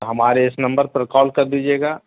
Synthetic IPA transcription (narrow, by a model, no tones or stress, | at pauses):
ɦɐmaːɾeɪsnɐ̃mbəɾpəɾkɔːlkɐɾd̪id͡ʒeːɡaː